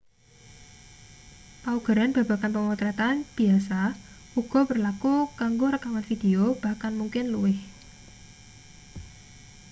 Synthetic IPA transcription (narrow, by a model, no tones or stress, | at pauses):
pauɡ̥ə̤ɾanb̥ä̤b̥a̤kanpəŋut̪ɾat̪anb̥i̤asa | uɡ̥ɔ̤pərlakukaŋɡoɾəkawanfid̪̥e̤ob̥a̤kalmuŋkɪnluwɪh